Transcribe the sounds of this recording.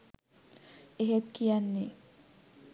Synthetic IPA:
eɦet̪kijanːe

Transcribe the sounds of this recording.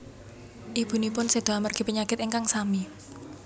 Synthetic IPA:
ʔib̥ṳnipʊnsed̪̥o̤amərɡ̥i̤pəɲakɪt̪iŋkaŋsami

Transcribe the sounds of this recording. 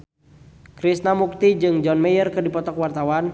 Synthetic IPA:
kɾisnamuk̚t̪id͡ʒɨŋd͡ʒɔnmɛjərkɨrdipɔt̪ɔkwart̪awan

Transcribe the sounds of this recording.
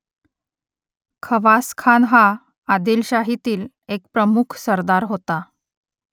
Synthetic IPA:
kʰəʋaskʰanɦaː | d̪ilɕaɦit̪iːl | ek̚pɾəmukʰsəɾd̪aɾɦot̪a

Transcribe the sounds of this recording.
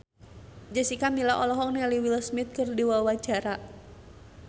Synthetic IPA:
d͡ʒəsikamilaʔɔlɔɦɔk̚nealiwiləsmɪt̪̚kərdiwawḁd͡ʒa̤ɾa

